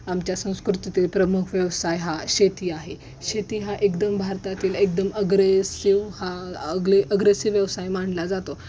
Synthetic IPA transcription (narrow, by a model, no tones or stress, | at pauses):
amt͡ɕjasə̃w̃skɾut̪it̪epɾəmukʰʋjəʋsajɦaɕet̪iːaɦe | ɕet̪iːɦaʔekd̪əmbʱaɾt̪at̪iːlek̚d̪əməɡɾesiʋhaəɡleʔəɡɾesiʋːjəʋsajm̤aɳlad͡zat̪o